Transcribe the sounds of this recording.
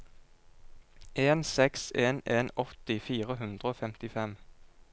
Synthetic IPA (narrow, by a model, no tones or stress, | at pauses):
ʔeːnsɛkseːneːnɔt̪ɪfiːʁəɦʉnd̪ʁəoːfɛmt̪ɪfɛm